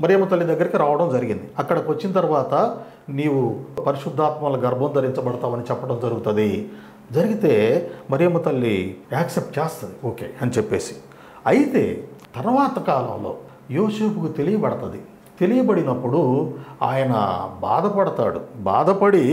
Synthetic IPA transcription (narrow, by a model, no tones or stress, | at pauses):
mɐɾijɐmːɐt̪ɐlːid̪ɐɡːɐɾikiɾaːʋɐɽɐmd͡ʒɐɾiɡind̪iɐkːɐɽɐkʋɐt͡ʃːinɐt̪ɐɾuʋaːt̪ɐ | niːwupɐɾiʂud̪ʱːaːt̪mɐlɐɡɐɾbʱɐnd̪ɐɾiɲt͡ʃɐbɐɽɐt̪aːmɐnit͡ʃɛpːɐɽɐmd͡ʒɐɾuɡut̪ɐd̪i | d͡ʒɐɾiɡit̪e̞ːmɐɾijɐmːɐt̪ɐlːiaːksep̚ʈ̚t͡ʃeːst̪ɐd̪ioːke̞̰ːɐnit͡ʃepːe̞ːsi̥ | ɐjit̪e̞̰ːt̪ɐɾʋaːt̪ɐkaːlɐ̰mlo̞̰ː | joːse̞ːpukut̪e̞lijɐbɐɽɐt̪ɐd̪i | t̪e̞lijɐbɐɽinɐpːuɽua̰ːjɐnɐ̰ba̰ːd̪ɐpɐɽɐt̪a̰ːɽṵba̰ːd̪ɐpɐɽi